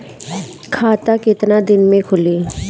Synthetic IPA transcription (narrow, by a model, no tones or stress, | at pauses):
kʰaːt̪akɪt̪nad̪ɪnmẽkʰʊliː